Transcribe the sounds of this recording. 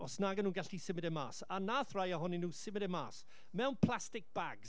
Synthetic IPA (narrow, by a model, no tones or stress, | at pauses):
ɔsnaːɡənuːnɡaɬisɪmɪdɛma̰ːsanaːθrajaɦɔninuːsɪmɪdɛmaːs | mɛwnpʰl̥ˠastɪk̚b̥aɡ